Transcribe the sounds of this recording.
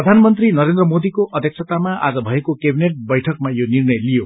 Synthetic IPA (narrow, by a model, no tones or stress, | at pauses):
rʌd̪ʱanmʌnt̪rinʌɾend̪rʌmod̪ikoʔʌd̪ʱjʌk̚sʰʌt̪amaa̰d͡zʌbʱʌekokebineʈ̚bʌjʈʰʌk̚majonirnʌjlijo